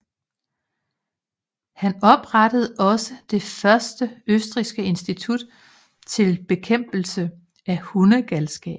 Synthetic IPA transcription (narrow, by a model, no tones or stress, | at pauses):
hænɒ̽b̥ʁɑd̥əð̞̩ˠɒ̽səd̥e̝fɶɐsd̥əøsd̥ʁisɡ̥əe̝nsd̥it͡sʰud̥ | t͡sʰe̝lb̥e̝kʰem̰b̥l̩sə | æhunəɡ̥ælsɡ̥ɛ̰ːb̥